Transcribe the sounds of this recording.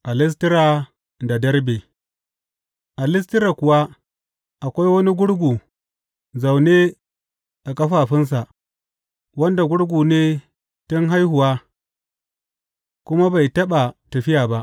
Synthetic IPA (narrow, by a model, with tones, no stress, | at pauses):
ʔa˨lɪ˦s̬tɪ˦ɾa˨ | da˨dɐ˦ɾbeː˨ | ʔa˨lɪ˦s̬tɪ˦ɾa˨kʊ˨wa˦ | ʔa˨kʷa˦jwɐ˦ni˦ɡʷʊ˦ɽɡʷuː˨ | za˨wne˦ | ʔa˨kɐ˦ɸaː˨ɸɪ˦ns̬a˨ʔ | wɐ˦nda˨ɡʷʊ˦ɽɡʷuː˨neː˦ | tʊ˦ŋɦa˦jhʊ˨waː˦ | kʷʊ˦ma˦ba˨jtɐ˦ɓa˨tɐ˨ɸɪ˦jaː˨ba˦ʔ